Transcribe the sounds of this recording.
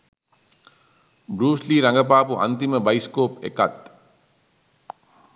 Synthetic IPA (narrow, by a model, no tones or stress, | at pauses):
bɾuːsliɾaŋɡəp̬aːpuʔa̰nt̪iməbajskoːpḛkat̪